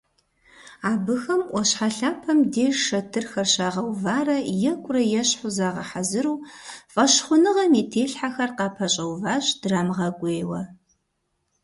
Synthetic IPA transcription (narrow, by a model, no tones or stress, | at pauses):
aːbɨxɐmʔʷɔɕħaɬaːpʰɐmdeːʂɐtʰɨrxɐrɕaːʁɐwvaːrɐjɛkʷʼʊrɐjɛɕħʊzaːʁɐħazɨɾuːfʼɐɕχʷʊnɨʁɐmeːtʰeːɬħaxɐrqɑːpʰɐɕʼɐwvaːɕd̥raːmʁɐɡʷʼeːwɐ